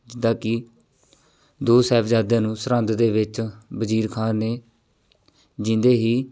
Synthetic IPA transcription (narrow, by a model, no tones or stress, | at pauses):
d͡ʒɪd̪ãːkɪ | d̪oːsɛːpʰd͡ʒaːd̪jãːnũːsɾə̃nd̪d̪eːʋɪt͡ʃbəd͡ʒiːɾkʰaːneː | d͡ʒɪ̃nd̪eːɦiː